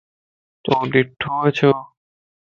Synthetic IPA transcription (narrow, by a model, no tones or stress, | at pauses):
t̪oɖ̪iʈʰːoɦojet͡ɕʰo